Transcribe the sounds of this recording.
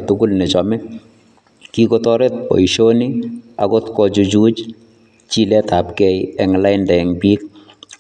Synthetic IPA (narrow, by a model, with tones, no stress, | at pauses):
tʊ˦ɡʊ˦lne˨t͡ʃɔ˨mɛ˦ | ki˦kotɔ˦ɾe˦t̚pɔ̰˨i˨ʃo˦ni˦a̰˨ko˦tkɔt͡ʃu˧t͡ʃu˦t͡ʃ | t͡ʃi˦lɛ˦ta˨pkɛ˦jɛŋla˦ɪnda˨ɛ˨ŋbi˦k̚